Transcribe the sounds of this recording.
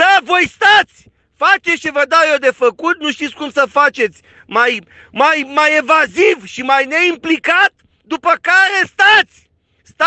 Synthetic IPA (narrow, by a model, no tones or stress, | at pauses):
d̪avo̞jst̪at̪sʲ | fat͡ʃeʃivəd̪awjod̪e̞fəkut̪̚nuʃt̪it̪sʲkumsəfat͡ʃe̞t̪sʲ | maj | majmajevazivʃimajne̞implikat̪̚ | d̪upəkaɾe̞st̪at̪sʲ | st̪a